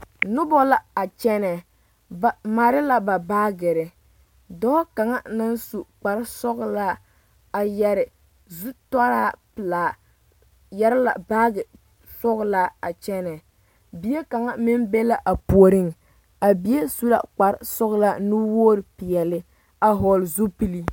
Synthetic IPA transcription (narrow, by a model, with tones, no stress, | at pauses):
nʊ˦bɔ˦la˦a˨t͡ʃɛ˦nɛ˨ | ba˨ma˨ɾɪ˦la˦ba˨baː˦ɡɛ˨ɾɪ˨ | dɔ˦ka˨ŋa˦na˦n˦su˨k͡pa˨ɾɪ˦sɔ˦ɣla˦ | a˨jɛ˨ɾɪ˨ | zu˦tɔ˦ɾaː˦pɪ˨laː˨ | jɛ˦ɾɪ˦la̰˨baː˦ɡɪ˨ | sɔ˦ɣla˦a˨t͡ʃɛ˦nɛ˨ | bi˨˦e˦ka˨ŋa˦mɪ˦m˦be˦la˦ʔa˨pu˨o˨ɾɪ˦ŋ˨ | a˨bi˨˦e˦su˦la̰˦˨k͡pa˨ɾɪ˦sɔ˦ɣla˦nu˦woː˦ɾɪ˨pi˨jɛ˨lɪ˦ | a˨ɦɔ˨lzu˦pi˦li˦